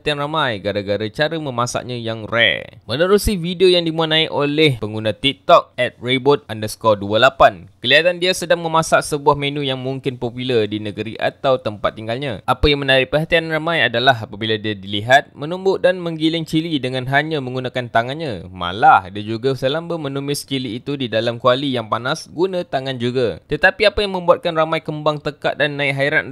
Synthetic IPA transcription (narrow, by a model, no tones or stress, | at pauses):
at̪ianramajɡaɾaɡaɾat͡ʃaɾəməmasa̰ʔɲãjaŋrɛ̰mənəɾusifidiojaŋdimuanaɪkolɛhpəŋɡunãt̪ik̚t̪ɔk̚ɛt̪̚rebot̪̚andəsə̥kɔduəlapankəliɦat̪andiasədaŋmə̃mãsaʔsəbuahmẽnũjaŋmuŋkɪnpopilərdinəɡəɾiʔa̰t̪awt̪əmpa̰t̪ːiŋɡalɲãʔapajaŋmənaɾɪʔpərɦat̪ianramãjadalaɦapabiladiadiliɦat̪̚mənumbʊʔdanmə̃ŋɡilɪŋt͡ʃilidəŋãnɦaɲãmə̃ŋɡunakant̪aŋanɲama̰lahdad͡ʒuɡasəlambəmə̃numɪst͡ʃiliːt̪udidalamkualijaŋpanasɡunãt̪aŋand͡ʒuɡat̪ət̪apiapajaŋmə̃mbuat̪̚kanramajkəmbaŋt̪əka̰t̪ʔ̪̚danːãɪʔɦaiɾan